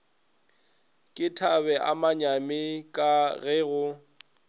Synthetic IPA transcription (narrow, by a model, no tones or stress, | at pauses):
kʼɪtʰabɛʔa̰maɲamɪkʼaɣɛːɣʊ